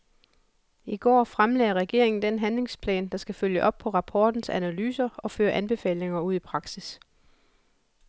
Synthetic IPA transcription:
iɡ̥ɒ̰ːfʁamlɛːɐʁɛɡ̥e̝̰ɐ̰e̝ŋn̩d̥enɦænle̝ŋspʰlɛ̰ːnd̥ɑ̈sɡ̥æføljəʔɒ̽b̥̚pʰɒ̽ʁɑ̈pʰɒːd̥n̩sænælyːsɐɒ̽føːɐʔænb̥e̝fɛ̰ːle̝ŋɐuð̞̰ˠipʰʁɑ̈ɡ̥sis

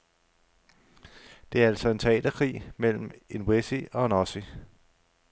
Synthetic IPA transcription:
d̥e̝æɐælsɒ̽e̝nt͡sʰɛ̰ːd̥ɐkʰʁḭːmel̰m̩enwesiɒ̽nɒsi

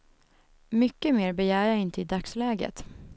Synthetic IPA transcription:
mʏkːəmeːɾbɛjæːɾjaːɪnt̪əɪd̪akslɛːɡə̰t̪

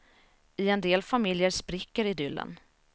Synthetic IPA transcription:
ɪɛnd̪eːlfamɪljəɾʂpɾɪkːəɾɪd̪ʏlːə̰n

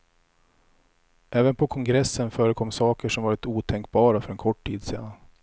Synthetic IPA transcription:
ʔɛːvənpʰɔkʰɔŋɡɾɛsːənfœːɾəkʰɔmːsɑːkəʂɔmvɑːɾɪt̪uːt̪ʰɛŋkbɑːɾafœɾɛnkʰɔʈʰːiːd̪sḭːd̪an

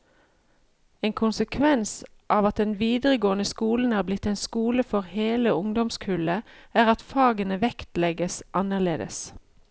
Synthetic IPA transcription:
eːŋkʰʊnsəkʰʋɛns | ʔɑːʋɑt̪̚d̪ɛnʋiːd̪əʁəɡoːənəskuːln̩hæːʁblɪt̪ːeːnskuːləfɔʁheːləʊŋd̪ɔmskʰʉːləæːʁɑt̪fɑːɡənəʋɛkt̪lɛɡəsʔɑnəʁleːd̪ə̰s

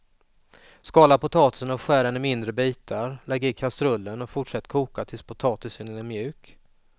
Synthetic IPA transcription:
skɑːlapʊt̪ʰɑːt̪ɪ̥sənɔɧæːɾanɪmɪnd̪ɾəbiːt̪ʰaɾlɛɡːəɾɪkʰast̪ɾɵlːənɔfʊʈʂɛt̪ːkʰuːkat̪ʰɪlspʰʊt̪ʰɑːt̪ɪsənɛnɛmjʉ̟ːk

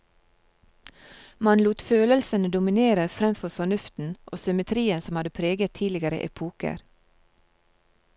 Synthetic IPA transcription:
mɑnluːt̪føːləlsənəd̪ʊmɪneːɾəfɾɛmfɔɾfɔɳʉft̪n̩ʔoːsʏmət̪ʰɾiːənsɔmhɑd̪əpʰɾeːɡət̪ʰiːlɪɡəɾə̰ʔɛ̰pʰuːkə̰ɾ

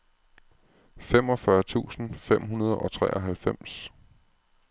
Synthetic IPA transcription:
fem̰ɒ̽fɶɐt͡sʰṵːsn̩fem̰ɦunɐð̞ˠɒ̽t͡sʰʁɛ̰ːʔɒ̽ɦælfem̰s

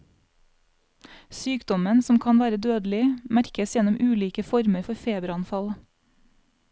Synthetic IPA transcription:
syːkd̪ɔmənsɔmkʰɑːnʋæːɾəd̪øːd̪l̩ɪmæɾkəsjɛnʊmʔʉːliːkəfɔɾməɾfɔɾfeːbɾɑnfɑl

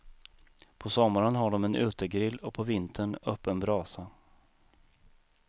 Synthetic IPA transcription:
pʰɔsɔmːaɾanɦaɖɔmɛnʔʉ̟ːt̪əɡɾɪlːɔpʰɔvɪnt̪ʰəɳœpːənbɾɑːsa

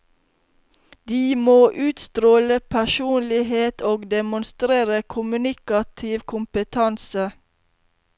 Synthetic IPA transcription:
d̪̥iːmoːʔʉːt̪st̪ɾoːləpʰæʃuːnlɪheːt̪ʰoːɡd̪ɛmʊnst̪ɾeːɾəkʰʊmʉnɪkɑt̪ʰɪʋkʰʊmpət̪ʰɑnsə

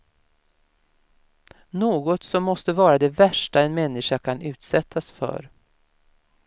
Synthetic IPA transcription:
noːɡɔt̪sɔmːɔst̪əvɑːɾad̪ɛvæʂʈaɛnmɛnːɪʂakʰanʉ̟ːt̪sɛt̪ʰːasfœ̰ɾ

